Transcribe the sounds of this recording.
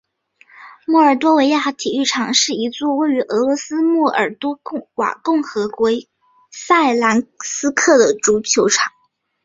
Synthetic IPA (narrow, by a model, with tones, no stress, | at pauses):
mwɔ˥˩ə˞˨˩t̪̬wɔ˥we˧˥ɪja˥˩t̪ʰi˨˩y˥˩ʈ͡ʂʰɑ˨˩ŋʂɻ̩˥˩i˧˥t͡swɔ˥˧we˥˩ɪy˧˥ʔɤ˧˥lwɔ˧˥sɹ̩˥mwɔ˥˩ʔə̰˞˨˩t̪wɔ˥˧wa̰˨˩kʊ˥˩ŋxɤ˧˥kwɔ˧˥ | sa˥˩ɪla˧˥nsɹ̩˥kʰɤ˥˩d̪ə˩ʈ͡ʂu˧˥t͡ɕʰjo˧˥ʊʈ͡ʂʰɑ˨˩˦ŋ